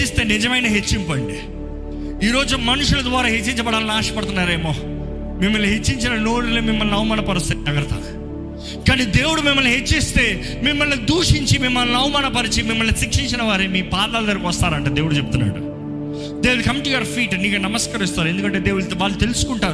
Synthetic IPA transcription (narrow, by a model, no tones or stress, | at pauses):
ist̪e̞ːnid͡ʒɐmɐjnɐɦet͡ʃːimpoːjɐɳɖi | iːɾo̞ːd͡ʒumɐnuʂulɐd̪ʋaːɾaːɦet͡ʃːiɲt͡ʃɐbɐɽaːlɐnaːʂɐ̥pɐɽt̪unːaːɾeːmo̞ː | mimːɐlniɦet͡ʃːiɲt͡ʃinɐno̞ːɽuloːmimːɐlniɐwɐmaːnɐpɐɾust̪ɐɡɐɾɐt̪ɐ̰ | kaːniːd̪e̞ːwuɽumimːɐlniɦet͡ʃːist̪e̞ː | mimːɐlnid̪uːʂiɲt͡ʃimimːɐlniɐwɐmaːnɐpɐɾit͡ʃimimːɐlnisikʂiɲt͡ʃinɐʋaːɾemiːpaːd̪aːld̪ɐɾɐkʋɐst̪aːɾɐɳʈaːd̪eːwuɽut͡ʃep̚ut̪unːa̰ːɽṵ | d̪eːwɽkɐmʈujɐɐɾpʰiːʈniːkɐnɐmɐskɐɾist̪aːɾe̞nd̪ukɐɳʈe̞ːd̪e̞ːwuɽuʋaːɭːut̪e̞lusu̥kuɳʈaːɾu